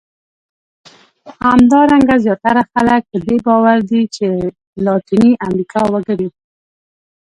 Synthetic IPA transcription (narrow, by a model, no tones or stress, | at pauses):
hamd̪ɑɾaŋɡazjɑt̪aɾaxalək̚pəd̪ebɑwaɾd̪it͡ʃe | lɑt̪iniʔamɾikʰɑwaɡəɾi